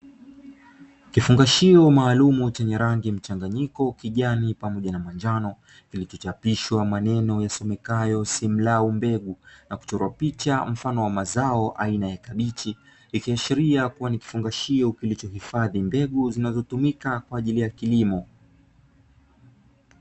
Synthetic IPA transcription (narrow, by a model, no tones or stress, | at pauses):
kifuŋɡaʃiɔmaːlumut͡ʃɛɲɛɾaŋɡim̩t͡ʃaŋɡaɲikɔkiʄanipamɔʄanamand͡ʒanɔ | kilit͡ʃɔt͡ʃapiʃwamanɛnɔjasɔmɛkajɔsim̩laumbɛɠunaku̥t͡ʃɔɾwapit͡ʃam̩fanɔwamazaɔʔainajakaɓit͡ʃiː | kiaʃiɾiakuwaniki̥fuŋɡaʃiɔkilit͡ʃɔhifaðimbɛɠuzinazɔtumikakwaːʄilijakilimɔ